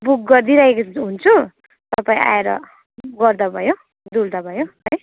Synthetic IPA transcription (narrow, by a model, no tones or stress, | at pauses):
buk̚ɡʌɾd̪iɾaekɦunt͡sʰu | t̪ʌpaĩa̰eɾʌ̰ | ɡʌrd̪abʱʌjo | d̪uld̪abʱʌjoɦʌj